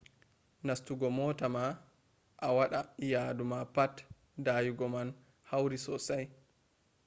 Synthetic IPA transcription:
nastuɡɔmɔːtama | ʔawaɗajaːdumapat | daːjuɡɔman | hawɾisɔsaj

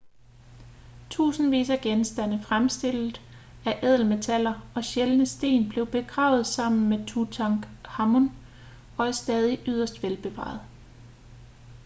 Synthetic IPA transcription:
t͡sʰṵːsn̩ʋḭːsæɡ̥ensd̥ænəfʁamsd̥e̝l̰ð̩ˠ | æʔɛðˠl̩me̝t͡sʰælɐɒ̽ɕelnəsd̥e̝̰ːnb̥le̝ʊb̥e̝ɡ̥ʁɑ̰̈ʊð̞̩ˠsɑ̈m̰n̩met͡sʰut͡sʰɑŋɡ̥hɑ̈mon | ɒ̽æɐsd̥ɛːð̞ˠiʔyð̞̰ˠɐsd̥ʋelb̥e̝ʋɑ̰̈ð̩ˠ

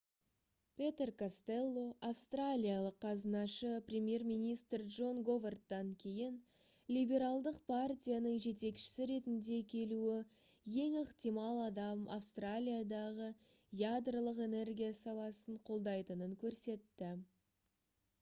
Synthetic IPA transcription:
pʲe̞t̪e̞rkʰast̪e̞lˠːoafst̪ralʲijalˠəqʰːɑzənɑʃəprʲe̞mje̞rmijnʲijst̪rdʒo̞nɡo̞vert̪ːɑŋkʲʰe̞jɪn | lʲijbʲe̞ɾalˠd̪əqpʰart̪ʲijanəɴʒe̞t̪e̞kʃɪ̥sɪɾe̞t̪ɪnd̪e̞kʲʰe̞luɪ | je̞ŋeqt̪ijmɑlˠɑd̪ɑmafst̪ralʲijad̪ɑʁə | jad̪rəlˠəqe̞ne̞rɡʲijasɑlˠɑsəɴqʰo̞lˠd̪ɑjt̪ənəŋkʲʰɵɾse̞t̪ːɪ

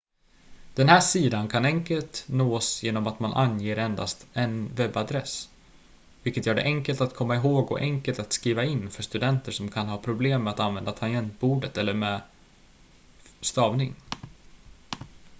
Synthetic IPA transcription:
d̪̥ɛnhæːʂiːd̪ankʰanɛŋkəlt̪noːsjeːnɔmat̪manʔa̰njeːɾɛnd̪a̰st̪ɛnvɛbad̪ɾɛs | vɪlkːət̪jœːɖɛ̰ʔɛŋkəlt̪at̪kʰɔmːaɪɦoːɡɔ̰ʔɛŋkəlt̪at̪skɾiːvaɪnːfœʂt̪ɵd̪ɛnt̪əʂɔmkʰanɦɑːpʰɾʊbleːmːɛat̪anvɛnd̪at̪ʰajɛnt̪̚buːɖət̪ɛlːəɾmɛː | st̪ɑːvnɪŋ

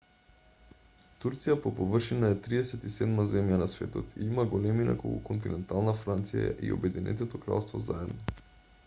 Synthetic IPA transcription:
t̪uɾt̪sijapopovr̩ʃinaɛt̪ɾiɛsɛt̪isɛd̪mazɛmjanasvɛ̰t̪ɔt̪ḭimaɡolɛmina̰ko̰lṵkont̪inɛnt̪alˠnafɾant̪sija̰ʔḭo̰bɛd̪inɛ̰t̪ɛt̪okɾa̰lˠst̪vɔzaɛd̪nɔ

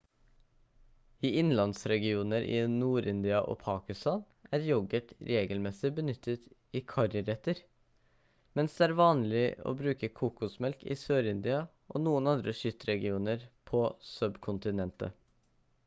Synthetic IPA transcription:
iːɪnlɑnsɾɛɡɪuːnəɾʔɪ̰nuːɾɪnd̪ɪɑʔo̰ːpʰɑːkɪst̪ɑːn | æːɾjɔɡəʈ̪ɾeːɡəlmɛsɪbənʏt̪ʰːət̪iːkʰɑɾəɾɛt̪əɾ | mɛnsd̪ɛːæːɾʋɑːnlɪo̰ːbɾʉːkəkʰuːkʊsmɛlkḭːsøːɾɪnd̪ɪɑ | ʔoːnuːənɑnd̪ɾəʃʏt̪ɾɛɡɪuːnəɾpʰɔsœbkʰʊnt̪ɪnɛnt̪ə̰

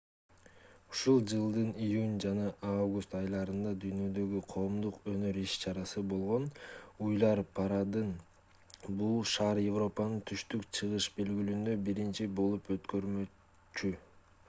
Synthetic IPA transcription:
uʃulˠd͡ʒɯlˠd̪ɯnijunʲd͡ʒɑnɑʔavɡust̪ɑjlˠɑɾɯnd̪ɑd̪yjnø̞d̪ø̞ɡyqʰo̞ːmd̪uqø̞nø̞ɾiʃt͡ʃɑɾɑsɯbo̞lˠʁo̞nujlˠɑɾpʰɑɾɑd̪ɯn | bulˠʃɑɾje̞vro̞pɑnɯnt̪ʰyʃt̪ykt͡ʃʰɯʁɯʃbe̞lɡylynd̪ø̞biɾint͡ʃibo̞lˠupø̞t̪kø̞ɾmø | t͡ʃy

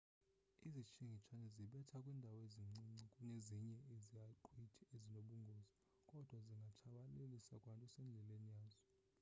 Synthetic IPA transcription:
izit͡ʃʰiŋɡʱit͡ʃʰanɛziɓɛtʰakʼwindʱaweziŋ͡ǀiŋ͡ǀikʼuneziɲɛezijaǃʰwitʰiezinoɓuŋɡʱoːzi | kʼɔd̥ʱwaziŋɡʱat͡ʃʰaɓalelisakʼwantʼɔsɛnd͡ɮʱɛlenijaːzɔ

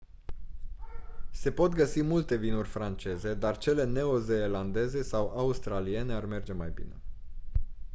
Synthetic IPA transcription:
se̞po̞t̪ɡəsimult̪e̞vinurʲfɾant͡ʃe̞ze̞d̪art͡ʃe̞le̞ne̞o̞ze̞ːland̪e̞ze̞sawʔaust̪ɾalie̞ne̞arme̞rd͡ʒe̞majbḭne̞̰

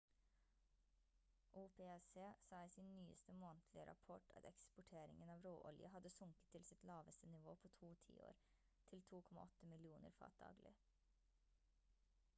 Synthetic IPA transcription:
ʔuːpʰeːɛseːsɑːisiːnnyːə̰st̪əmoːnt̪ʰlɪəɾɑ̰pʰɔʈʰɑ̰t̪ɛkspʊʈʰeːɾɪ̰ŋənɑːʋɾoːʔɔljəɦɑd̪əsʊŋkə̥t̪ʰːɪlsɪt̪lɑːʋəst̪ənɪʋoːpʰoːt̪ʰuːt̪ʰḭːo̰ːɾ | t̪ʰɪlt̪ʰuːkʰɔmɑ̰ʔɔt̪ːəmɪlɪuːnə̰ɾfɑ̰ːt̪̚d̪ɑ̰ːɡlɪ̰

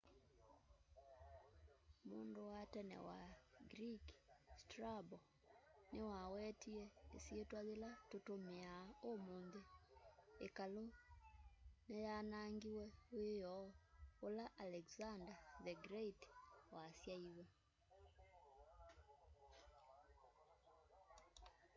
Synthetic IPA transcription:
moːndowatɛnɛ̰wa̰ɡɾikstrabɔ | newawɛtiɛesjetwaðelatotomeaomoːnðe | ekalo | nejanaŋɡiwɛwejɔolaʔalɛkzandaðɛɡɾeitwasjaiwɛ

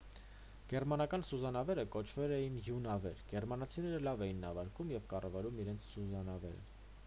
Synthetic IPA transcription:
ɡ̥ɛɾmɑnɑkɑn̪suzɑnɑvɛɾəkɔt͡ʃʰvɛlɛjinjunɑvɛɾɡ̥ɛɾmɑnɑt͡sʰinɛɾəlɑvɛjinːɑvɑɾkumjɛvkɑrɑvɑɾumiɾɛnt͡sʰsuzɑnɑvɛ̰ɾə̰

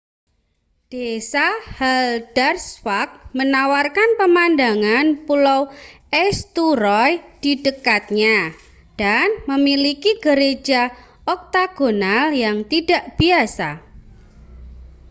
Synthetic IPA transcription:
d̥esahald̥arswak̚mənawarkanpəmandaŋanpulaw | ɛst̪uɾɔjd̥idəkat̪̚ɲa | d̥anməmilikiɡ̥əɾe̥d͡ʒ̥a | ɔk̚t̪aɡ̥onaljaŋt̪ida̤ʔb̥iasa

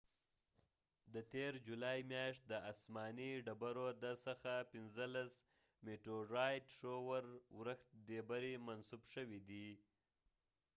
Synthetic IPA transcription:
d̪ət̪eɾd͡ʒulɑjimjɑʃt̪̚d̪əasmɑniɖabaɾod̪asəxapɪnzəlas | meʈɾoɾɑjdʂowaɾwɾəxt̪̚d̪ebaɾimansubʃəwid̪i

